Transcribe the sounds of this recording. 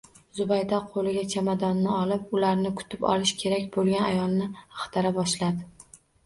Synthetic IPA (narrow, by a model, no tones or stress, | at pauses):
zʊbajd̪ɒqʰolɪɡʲat͡ʃʰamad̪ɒnːɪɒlɪp̚ʊlaɾnɪkʰʊ̥t̪ʰɪpɒ̰lɪʃkʲʰe̞ɾakʲbolˠɡʲanajɒlˠnɪɑχt̪ʰaɾabɒʃlad̪ɪ